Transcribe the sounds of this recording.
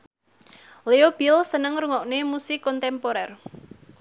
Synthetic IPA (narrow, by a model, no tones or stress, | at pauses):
leob̥ilsənəŋruŋɔʔnemusɪkːɔnt̪ɛmpoɾɛr